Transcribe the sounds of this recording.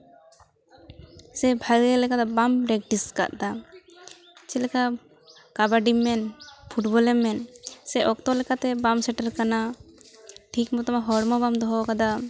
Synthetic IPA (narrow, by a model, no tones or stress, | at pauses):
sɛbʱaɡɛlɛkad̪abampɾɛk̚ʈiska̰ʔd̪a | t͡ʃɛlɛka | kabaɖimːɛnpʰuʈbɔlɛmːɛnsɛʔɔk̚t̪ɔlɛkat̪ɛbamsɛʈaɾkana | ʈʰikmɔt̪ɔmaɦɔɽmɔbamd̪ɔɦɔkad̪a